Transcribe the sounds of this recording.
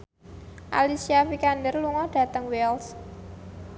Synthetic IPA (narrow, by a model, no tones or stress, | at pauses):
ʔa̰lisiafikandərluŋɔɖ̥ä̤t̪əŋwɛls